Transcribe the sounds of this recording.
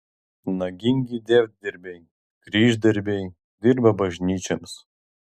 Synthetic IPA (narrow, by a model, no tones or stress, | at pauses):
nɐɡʲɪŋʲɡʲid̪ʲɛːʋʲt̪̚d̪ʲɪɾʲbʲe | ɡ̥ɾʲiːʒd̪ʲɪɾʲbʲe | d̪ʲɪɾbɐbɐʒʲnʲiːt͡ʃʲɛms